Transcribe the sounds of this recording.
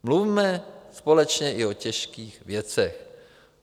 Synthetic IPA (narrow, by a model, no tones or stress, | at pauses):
mluvimɛspolɛt͡ʃɲɛʔɪocɛʃkiːxvjɛt͡sɛx